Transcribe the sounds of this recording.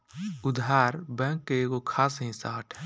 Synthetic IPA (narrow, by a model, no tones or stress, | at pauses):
ʊd̪ʱaːɾbɛ̃ːŋkːeeɡokʰaːsɦĩsaːʈʰɛ